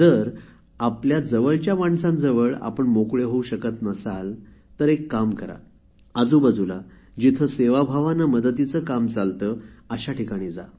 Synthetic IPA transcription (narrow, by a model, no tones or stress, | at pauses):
d͡zəɾ | apljad͡zəʋəɭt͡ɕjamaɳsãnd͡zəʋəɭa̰pəɳmokɭeɦouɕəkət̪nəsalt̪əɾekːamkəɾa̰ | əd͡zuːbəd͡zula | d͡ʑit̪ʰəseʋabʱaʋanəməd̪ət̪it͡səːkamt͡salt̪əəɕaʈʰikaɽ̃iːd͡za